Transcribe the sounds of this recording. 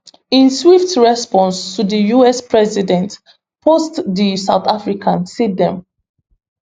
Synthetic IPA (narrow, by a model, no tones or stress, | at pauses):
ĩnswiftɹɛspɔ̃nstʰudijuɛspʰɹɛzidɛ̃nt | pʰostdisaʊθafɹikʰãnsidɛ̃m